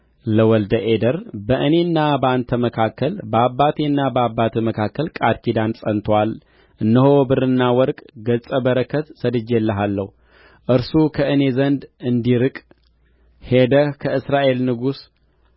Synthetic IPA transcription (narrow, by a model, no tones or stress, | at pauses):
ləwɔld̪əʔed̪əɾbəʔɨne̞nːabəant̪ʰəməkʰakːəlbəabːat̪ʰenːabəabːat̪ʰeməkʰakːəlkʼad̪kʰid̪ansʼənt̪ʰwal | ʔɨnːəhobɨrɨnːawɔɾkʼɡət͡sʼəbəɾəkʰːət̪səd̪ɨd͡ʒelːəɦalːə̰hu | ʔɨɾsukʰəʔɨne̞zənd̪ɨnd̪iɾɨkʼ | hed̪əhkʰəɨsɾaʔe̞lnɨɡus